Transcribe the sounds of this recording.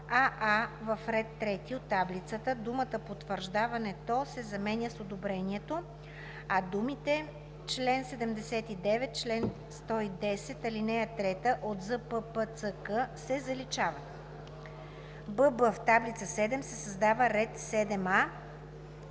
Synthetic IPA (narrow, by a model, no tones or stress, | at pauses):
aʔavɐfɾɛt̪ːɾɛt̪iot̪ːablit̪sət̪əd̪umət̪əpot̪vəɾʒd̪avɐnɛt̪ɔsɛzɐmɛnʲəsod̪obɾɛniɛt̪o | ɐd̪umit̪ɛ | t͡ʃlɛnsɛd̪ɛmd̪ɛsɛt̪id̪ɛvɛt̪̚t͡ʃlɛn | st̪ɔid̪ɛsɛt̪ɐlinɛjət̪ɾɛt̪əʔot̪zəpəpət̪səkəsɛzɐlit͡ʃavə | bɤbəft̪ablit̪səsɛd̪ɛmsɛsɐzd̪avəɾɛt̪sɛd̪ɛma